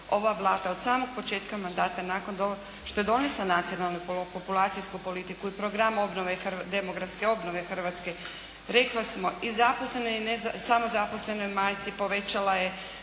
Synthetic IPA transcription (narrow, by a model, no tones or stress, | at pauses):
o̞ʋaʋlˠaːt̪aod̪saːmo̞ɡ̚po̞t͡ʃe̞ːt̪kamand̪aːt̪anaːkond̪ooɡ | ʃt̪o̞jed̪o̞neslˠanat̪sio̞nalˠnupopulˠaːt̪sijskupo̞lit̪ikuipɾoɡɾamo̞bnoʋe̞xrd̪e̞mo̞ɡɾatske̞o̞bno̞ʋe̞xr̩ʋaːt̪ske̞ | ɾe̞klasmo̞izaposle̞noinezasamo̞zapo̞sle̞no̞jmaːjt̪sipo̞ʋe̞t͡ʃalaje